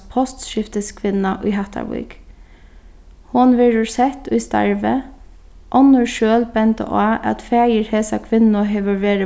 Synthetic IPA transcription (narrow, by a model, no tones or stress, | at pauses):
pʰɔst̪ʃɪft̪əskʰʋɪnaʔʊ̰jɦaht̪ʰa̰ʋṵk | hʊnʋɛɹʊɹsɛht̪ʊjst̪a̰ɹʋə | ʔɔnʊɹʃøːlbɛnt̪ə̰ʔaːʔæ̰t̪fæːjəɹhɛːsakʰʋɪnʊɦɛʋəɹʋeːɾə